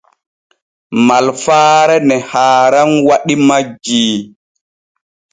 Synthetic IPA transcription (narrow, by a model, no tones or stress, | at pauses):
malfaːɾɛnɛhaːɾanwaɗimad͡ʒiː